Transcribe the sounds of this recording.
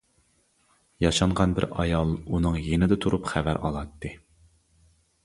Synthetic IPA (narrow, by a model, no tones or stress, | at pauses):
jɑʃɑɴʁɑnbɪ̰ɾɑjɑlˠunɨŋjenɪd̪ɛt̪ʰuɾupχævæɾʔɑ̰lˠɑt̪ʰːɨ